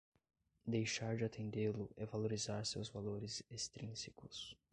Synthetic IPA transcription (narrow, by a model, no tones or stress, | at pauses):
d̪ejʃaɾd͡ʒɪat̪ʰẽnd̪elʊʔɛvaloɾizaɾsewzvaloɾɪzest̪ɾĩsikʊs